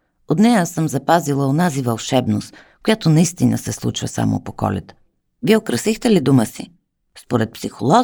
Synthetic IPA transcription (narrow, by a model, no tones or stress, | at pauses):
ot̪nɛjəsəmzɐpazilˠəonazivɐlˠʃɛbnost̪ | kʊjat̪onɐist̪inə̰sɛslˠṵt͡ʃvə̰sa̰mo̰pokɔ̰lʲɛ̰t̪ | viɛokɾəsixt̪ɛlid̪uməsi | spoɾɛt̪̚psixolˠɔ